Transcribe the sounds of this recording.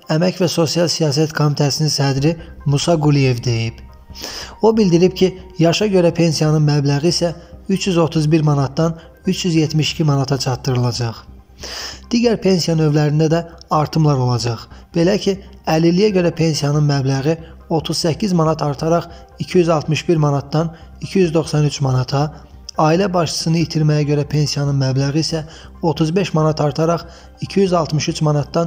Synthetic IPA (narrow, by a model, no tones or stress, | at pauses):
æmæcvæso̞sijɑlˠsijɑːsæt̪kʰo̞mit̪ʰæsininsæd̪ɾi | musɑɡulije̞vd̪e̞jib | o̞bild̪iɾipcʰijɑʃɑɟø̞ɾæpʰe̞nsijɑnɯnmæblæɣiːsæyt͡ʃjyzo̞t̪ʰuzbiɾmɑnɑt̪̚d̪ɑn | yt͡ʃʰjyzjet̪miʃi̥cʰimɑnɑt̪ʰɑt͡ʃʰɑt̪ːɯɾɯlˠɑd͡ʒɑχ | d̪̥iɟæɾpʰe̞nsijɑnø̞vlæɾind̪æd̪æɑɾt̪ʰɯmlˠɑɾo̞lˠɑd͡ʒɑχb̥e̞læcʰi | ælilijæɟø̞ɾæpʰe̞nsijɑnɯnmæblæɣi | o̞t̪ʰuzsæcʰːizmɑnɑt̪ʰɑɾt̪ʰɑɾɑχ | icʰijyzɑlˠt̪mɯʃbiɾmɑnɑt̪̚d̪ɑn | icʰijyzd̪o̞χsɑnyt͡ʃʰmɑnɑt̪ʰɑ | ɑːilæbɑʃt͡ʃʰɯ̥sɯnɯit̪ʰiɾmæjæɟø̞ɾæpʰe̞nsijɑnɯnmæblæɣiisæ | o̞t̪ʰuzbe̞ʃmɑnɑt̪ʰɑɾt̪ʰɑɾɑχ | icʰijyzɑlˠt̪mɯʃyt͡ʃmɑnɑt̪̚d̪ɑn